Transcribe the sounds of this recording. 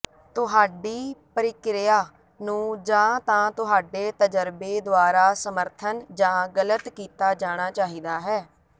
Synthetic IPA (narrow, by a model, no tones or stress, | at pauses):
t̪ʊɦaːɖiːpəɾɪkɾɪjaː | nũːd͡ʒãːt̪ãːt̪ʊɦaːɖeːt̪əd͡ʒəɾbeːd̪ʊaːɾaːsəməɾt̪ʰənd͡ʒãːɡələt̪kiːt̪aːd͡ʒaːɽ̃aːt͡ʃaːɦiːd̪aːɦɛː